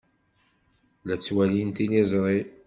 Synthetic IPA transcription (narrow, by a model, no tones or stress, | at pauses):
læt͡sːwælint̪ilizˤɾˤi